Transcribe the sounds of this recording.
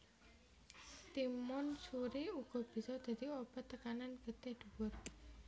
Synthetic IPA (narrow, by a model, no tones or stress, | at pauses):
t̪imɔnsuɾeuɡ̥ɔ̤b̥i̤sɔd̪̥a̤d̪̥iɔb̥a̤t̪ːəkananɡ̥ət̪ɛhd̪̥uwʊt̪̚